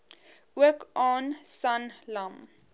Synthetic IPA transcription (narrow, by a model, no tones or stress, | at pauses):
uəkɔnsanlam